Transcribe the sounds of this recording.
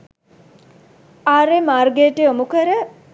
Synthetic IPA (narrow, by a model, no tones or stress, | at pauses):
aːɾemaːrɡeːʈeomukəɾə